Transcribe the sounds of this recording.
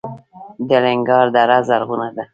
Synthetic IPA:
d̪əlɪŋɡɑɾd̪aɾazaɾɣunad̪a

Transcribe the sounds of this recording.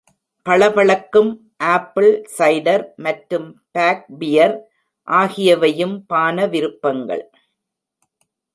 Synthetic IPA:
pɐɭɐpɐɭɐkːɯm | ʔaːpːɪlsɐɪɖɐɾmɐʈɾɯmpaːk̚bɪjɐɾ | ʔaːɣɪjɐʋɐjɯmpaːnɐʋɪɾɯpːɐŋɡɐ̰ɭ

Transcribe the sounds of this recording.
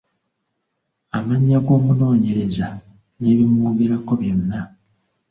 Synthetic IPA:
amaɲːaɡo̞ːmuno̞ːɲe̞ɾe̞za | ne̞βimuːɡeɾako̞βjo̞nːa

